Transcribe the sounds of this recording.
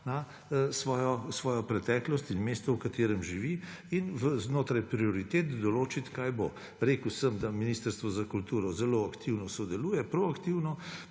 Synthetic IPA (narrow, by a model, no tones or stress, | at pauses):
na | sʋɔːjɔsʋɔːjɔpɾɛt̪ɛːklɔst̪inmeːst̪ɔwkat̪eːɾɛmʒiʋiinʋəznoːt̪ɾajpɾioɾit̪et̪d̪ɔloːt͡ʃit̪kaːjbo | ɾeːkəwsəmd̪aminiːst̪əɾst̪ʋɔzakult̪uːɾɔzɛloakt̪ʰiwnɔsɔd̪ɛluːjɛpɾoakt̪iwnɔ